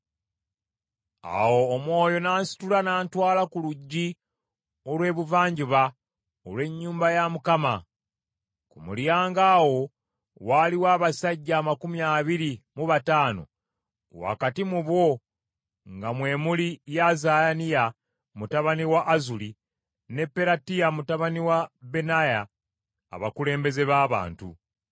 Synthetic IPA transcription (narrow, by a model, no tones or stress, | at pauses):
a̰wo̞ːmwo̞ːjo̞naːnsi̥tulanaːntwaːlakuluɟːi | o̞lwe̞ːβuvaːɲɟiβa | o̰lwe̞ɲːuːmbajamukama̰ | kumṵljaːŋɡaːwo̞ | waːliwaːβasaɟːaːmakumjaːβiɾimuβataːno̞̰ | wa̰katimuβwo̞ | ŋɡamwe̞ːmulijazajanija | mutaβaniwaʔːzuli | ne̞pːe̞ɾatijamutaβaniwabe̞naja̰ː | βakule̞ːmbe̞ze̞βaːβa̰ːntṵ